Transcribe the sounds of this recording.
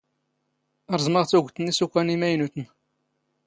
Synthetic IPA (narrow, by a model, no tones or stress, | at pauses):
əɾˤzˤməʁt͡sːuʝʷt̪ːənisukʷːænimæjnut̪ən